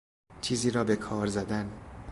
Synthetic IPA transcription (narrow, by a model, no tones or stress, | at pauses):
t͡ʃʰiːziːɾɒːbe̞kʰɒːɾzæd̪æn